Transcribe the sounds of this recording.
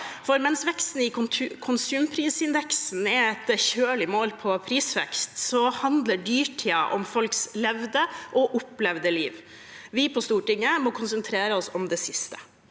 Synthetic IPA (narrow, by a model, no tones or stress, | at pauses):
fɔɾmɛnsʋɛkst̪n̩ɪkʰʊnsʉːmpʰɾiːsɪnd̪ɛksn̩ɛɛt̪çøːɭɪmoːlpʰɔpʰɾiːsʋɛ̰kst̪sɔhɑnd̪ləɖyːʈʰiːɑ̰ʔɔ̰mfɔlkslɛʋd̪əʔɔʔʊplɛʋd̪əliːʋ | ʋɪpʰɔst̪uːʈɪŋːəmɔkʰʊnsənt̪ʰɾeːɾəɔsɔmd̪ɛsɪst̪ə̥